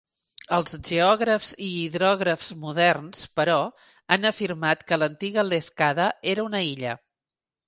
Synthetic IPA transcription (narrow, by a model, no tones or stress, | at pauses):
əlˠzʒeɔɣɾəfziːðɾɔɣɾəfz̥muðɛrnspəɾɔ | anəfirmat̪kələnt̪iɣəlefkaðəeɾəunəiʎə̰